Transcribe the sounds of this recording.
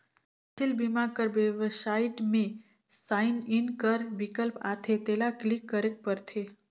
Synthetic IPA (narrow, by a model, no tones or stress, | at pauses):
t̪ʰilbimakəɾbeʋəsaɪʈmẽ | saːɪnɪnkəɾʋikəlpa̰ːt̪ʰet̪eːlaklikːəɾek̚pəɾt̪ʰe